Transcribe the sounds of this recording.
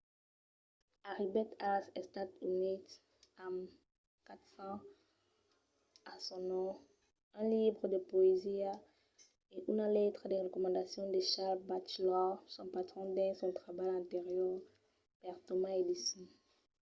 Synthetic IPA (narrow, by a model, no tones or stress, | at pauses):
aʁibɛt̪asɛst̪at̪ynit̪ | am | kat̪sɑ̃ | asɔ̃nɔ̃ | ɛ̃libʁəd̪epoezia | eʔynalɛt̪χad̪eʁekɔmɑ̃nd̪asjɔ̃d̪eʃalbat͡ʃlɔsɔ̃pat̪χɔ̃d̪ɛ̃sɔ̃t̪χabajɛ̃nt̪eʁjɔʁ | pɛʁt̪omaed̪isjɔ̃